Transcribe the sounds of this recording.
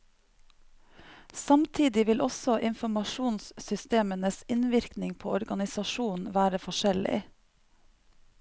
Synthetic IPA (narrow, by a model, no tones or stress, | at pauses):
sɑmt̪ʰiːd̪ɪʋɪlʔɔsɔʔɪnfɔmɑʃuːnssʏst̪eːmənəsɪnʋɪɾknɪŋpʰoːɔɾɡɑnɪsɑʃuːn̩ʋæːɾəfɔʃɛlɪ̰